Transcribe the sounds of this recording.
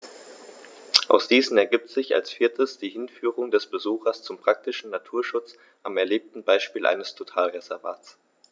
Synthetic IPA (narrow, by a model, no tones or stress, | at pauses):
ʔa̰ʊsd̥iːzn̩ɛɐɡip̚tz̥ɪça̰lsfɪɐtʰəsd̥iːhɪnfyːʁ̞ʊŋdɛsb̥əzuːxɐst͡sʊmpʁ̥ak̚tɪʃn̩natʰuːɐʃʊt͡s | ʔamɛɐleːp̚tn̩baɪʃpiːlʔa̰ɪnəstʰotʰaːlʁezɛɐva̰ːt͡s